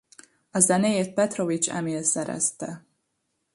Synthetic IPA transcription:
ɒzɛnejeːt̪̚pɛt̪rovit͡ʃɛ̰melsɛɾɛ̰st̪ɛ

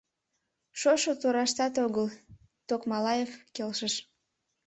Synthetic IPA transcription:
ʃoʃot̪oɾɑʃt̪ɑt̪oɣəl | t̪okmɑlɑjefkelʃəʃ

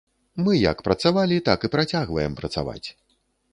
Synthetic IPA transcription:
mɨjɐ̰kpɾɐt̪savalʲit̪akɨpɾat͡sʲaɣvɐjɛmpɾɐt̪sa̰va̰t͡sʲ

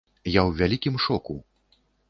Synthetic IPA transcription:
jawvʲalʲikʲimʂɔku

